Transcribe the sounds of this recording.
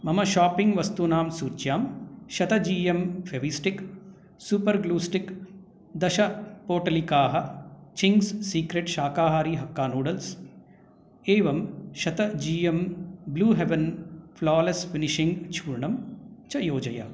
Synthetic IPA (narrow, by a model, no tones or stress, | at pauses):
mɐmɐʃaːpiŋɡʋɐst̪unaːmsuːt͡ʃjaːmʃɐt̪ɐd͡ʒiːjemfeʋisʈik | suːpɐɾɡluːsʈik | d̪ɐʃɐpoːʈɐlikaːɦɐt͡ʃiŋɡsːiːkɾeʈʃaːkaːɦaːɾiːɦɐkːaːnuːɽɐls | eːʋɐmʃɐt̪ɐd͡ʒiːjembluːɦeʋɐnfʰlaːlesfiniʃiŋɡt͡ʃʰuːɾɳɐmt͡ʃɐjoːd͡ʒɐjɐ̰